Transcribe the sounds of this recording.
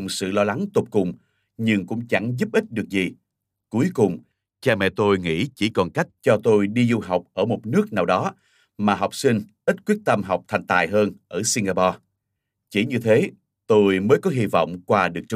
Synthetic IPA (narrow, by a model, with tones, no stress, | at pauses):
ŋ͡msɨ̰˧˨lɔ˧la˨˦ŋt̪o˨˩p̚kʊ˨˩ŋ͡m | ɲɨ˧ŋkʊ̰˧˥ŋ͡mt͡ɕa˧˩ŋzu˦˥p̚ʔï˦˥t̚ɗɨ˨˩ək̚zi˨˩ | ku˨˦əjkʊ˨˩ŋ͡m | t͡ɕaː˧mɛ̰˧˨t̪o˧jŋḭ˧˥t͡ɕi˧˩kɔ˨˩nka˦˥jk̟̚t͡ɕɔ˧t̪o˧jɗi˧zu˧ɦa˨˩wk͡p̚ʔəː˧˩mo˨˩t̚nɨ˦˥ək̚naː˨˩wɗɔ˨˦ | maː˨˩ɦa˨˩wk͡p̚sï˧ŋ̟ʔi˦˥t̚kwi˦˥ət̚t̪ə˧mɦa˨˩wk͡p̚t̪ʰa˧˩jŋ̟t̪a̰ː˧˨jɦəː˧nʔəː˧˩si˧ŋɡaː˧pɔ˧ | t͡ɕi˧˩ɲɨ˧t̪ʰe˨˦ | t̪o˧jməː˨˦jkɔ˨˦ɦi˧vɔ̰˧˨wŋ͡mkwaː˧ɗɨ˨˩ək̚t͡ɕ